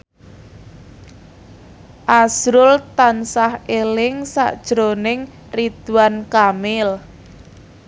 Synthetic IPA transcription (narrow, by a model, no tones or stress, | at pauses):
ʔasɾʊlt̪ansahelɪŋsa̰ʔd̥ʒ̥ɾonɪŋ | rid̪̥uwankamɪl